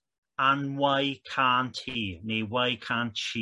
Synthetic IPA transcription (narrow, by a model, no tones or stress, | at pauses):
anwajkʰaːntʰiiːneːwajkʰaːnt͡ʃʰi